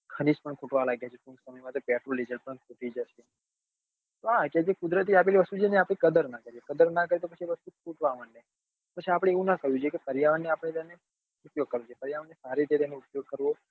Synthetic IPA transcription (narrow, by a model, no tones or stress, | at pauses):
kʰəniʃpəɳkʰuʈʋalaɡjat͡ʃʰekũnsəməjmãt̪opɛʈɾoled͡ʒəlpəɳkʰuʈ̪id͡ʒəʃe | t̪oɦaked͡ʒekʊd̪ɾət̪̬iapeliʋəst̪ud͡ʒeneapɽ̃ekəd̪əɾnakəɾiekəd̪əɾnakəɾet̪opət͡ʃʰieʋəst̪ukʰuʈʋaʋanːe | pət͡ʃʰiapɽ̃eeʋũnakəɦjũt͡ʃʰjekepəɾjaʋənːeapəɽ̃et̪ene | ʊpjoɡ̚kəɾʋõt͡ʃʰepəɾjaʋənːesaɾet̪et̪eneʊpjoɡ̚kəɾʋo